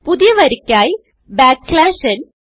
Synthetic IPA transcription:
puðɪjɐʋɐɾikʲːaːj | baːkːlaːʃɐn

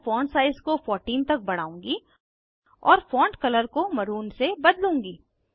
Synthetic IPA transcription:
fɔ̃ːɳʈsaːɪskofɔːɾʈiːnt̪ɐk̚bɐɽ̤a̰ːũːŋɡi | ɔːɾfɔːɳʈkɐləɾkomɐɾuːnsebɐd̪lũːŋɡiː

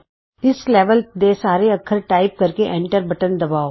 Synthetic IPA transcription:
ɪsleːʋəld̪esaːɾeɐkʰːəɾʈaːɪp̚kɐɾkeʔɛ̃ːɳʈəɾbɐʈənd̪ɐbaːo

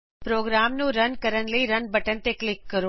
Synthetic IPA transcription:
pɾoːɡɾaːmnũɾɐnkɐɾənlɐiɾɐnbɐʈəñɪ̆t̪eklɪkːɐɾo

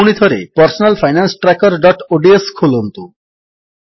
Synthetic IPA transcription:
ɽ̃id̪ʱɔɾepɔɾsonalfʰajnansʈɾakɔɾɖɔʈoɖieskʰolont̪u

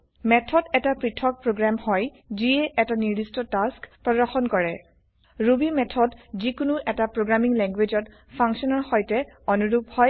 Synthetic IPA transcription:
mɛtʰɔdɛtapɹitʰɔk̚pɹoɡɹamhɔj | ziɛʔɛtaniɹdistɔtaskpɹɔdɔɹxɔnkɔɹɛ | ɹubimɛtʰɔdzikunuʔɛtapɹoɡɹamiŋlɛŋɡwed͡ʒɔt | pʰɔŋksɔnɔɹxɔjtɛɔnuɹuphɔj

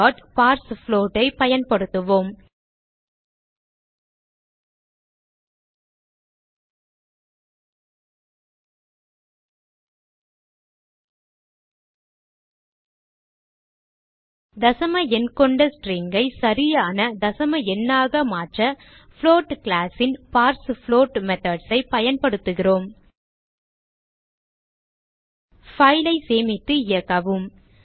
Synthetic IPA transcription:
ɔːʈpaːɾsfloːʈːɐɪpɐjɐnpɐɽɯt̪ːɯʋoːm | d̪ɐsɐmɐɛnkɔɳɖɐsʈriːŋɡɐɪsɐɾɪjaːnɐd̪ɐsɐmɐɛnːaːɣɐmaːʈrɐ | floːʈklaːsɪnpaːɾsfloːʈmɛt̪ɐɖsɐɪpɐjɐnpɐɽɯt̪ːɯɣɪroːm | fɐjɪlɐɪseːmɪt̪ːɯɪjɐkːɐʋɯm

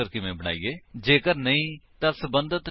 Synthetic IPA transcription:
əɾkɪʋẽːbəɽ̃a̰ːḭːeːd͡ʒeːkəɾnəĩːt̪ãːsəbənd̪ət̪

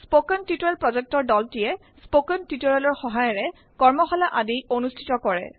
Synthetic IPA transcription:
spokəntituɹalpɹɔzɛk̚tɔɹdɔltijɛ | spokəntitoɹalɔɹxɔɦajɔɹɛ | kɔɹmɔxɔlaʔadionustʰi̥tɔkɔɹɛ̰

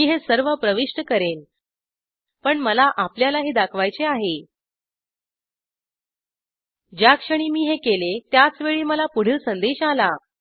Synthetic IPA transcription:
iːɦesəɾʋəpɾəʋiʂʈəkəɾen | pəɳməlaʔapljalaɦiːd̪akʰʋajt͡seaɦe | d͡ʑjakʂəɽ̃iːmiːɦekelet̪jat͡sʋeɭiːməlapuɽ̤isənd̪eɕala

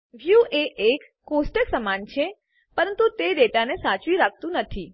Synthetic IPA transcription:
ʋjuʔeʔekːosʈəksəmant͡ʃʰe | pəɾənt̪ut̪eɾeʈanesat͡ʃʋiɾak̚ʰt̪ũnət̪ʰi

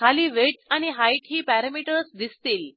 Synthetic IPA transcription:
kʰaliːʋeʈaɽ̃iɦajʈɦiːpæɾamiʈəɾsd̪ist̪iːl

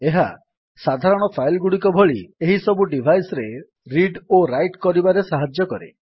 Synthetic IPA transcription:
eɦa̰ | sad̪ʱaɾɔɽ̃ɔpʰajlɡuɽik̬ɔbʱɔɭieɦisɔbuɖibʱajsɾe | ɾiɖoɾajʈkɔɾibaɾesaɦad͡ʒjɔkɔɾḛ

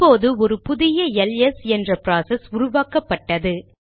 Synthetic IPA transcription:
pːoːðɯɔɾɯpʊðɪjɐɛlɛsɛndrɐpɪɾaːsɛsʊɾʊʋaːkɐpːɐʈːɐðɯ

